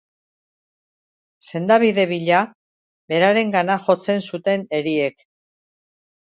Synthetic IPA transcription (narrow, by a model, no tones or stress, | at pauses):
se̞nd̪aβ̞iðe̞β̞iʎa | βe̞ɾaɾe̞ŋɡanaxo̞t͡se̞nsut̪e̞ne̞ɾie̞k